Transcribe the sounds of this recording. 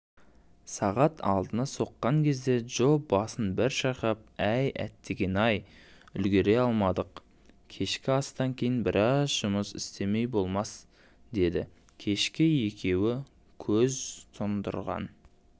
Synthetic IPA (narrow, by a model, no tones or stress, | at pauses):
sɑʁɑt̪ʰɑ̰lˠd̪ənɑso̞qːɑŋkʲʰe̞zd̪e̞ʒo̞p̚bɑsənbɪɾʃɑqɑp̚æjæ̰t̪ːe̞ɡʲe̞nɑjʏlɡʲe̞ɾe̞ɑlˠmɑd̪əq | kʲʰe̞ʃkʲɪɑst̪ɑŋkʲʰe̞jɪnbɪɾʔɑzʒʊməsɪ̰st̪e̞me̞jbo̞lˠmɑs | d̪e̞d̪ɪ | kʲʰe̞ʃkʲɪje̞kʲe̞wɪ | kʲʰɵzt̪ʰʊnd̪ʊ̰ɾʁɑ̰n